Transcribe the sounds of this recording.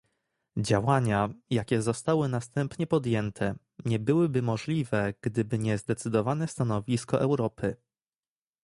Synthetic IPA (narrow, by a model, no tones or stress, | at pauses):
d͡ʑawaɲajakʲɛzɔst̪awɘnast̪ɛmpɲɛpɔd̪jɛnt̪ʰɛ | ɲɛbɘwɘbɘmɔʐlʲivɛɡ̥d̪ɘbɘɲɛzd̪ɛt̪sɘd̪ɔvanɛst̪anɔvʲiskɔʔɛwɾɔpʰɘ